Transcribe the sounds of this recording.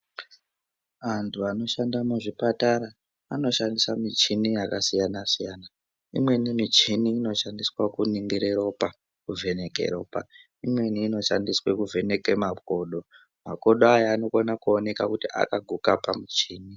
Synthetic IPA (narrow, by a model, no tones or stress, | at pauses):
ʋantʰuano̞ʃandamuʐipataɾa | ano̞ʃandisamit͡ʃinijakasijanasijana | imwe̞nimit͡ʃiniːno̞ʃandiswakuniŋɡiɾeɾo̞pa | kuvʱe̞ne̞kḛɾo̞̰ːpa̰ | imweniːno̞ʃandiswekuve̞ne̞kemako̞ɗo̞ | ma̰ko̞ɗoajaːno̞konakuone̞kakutia̰kaɡʱukapamit͡ʃiːni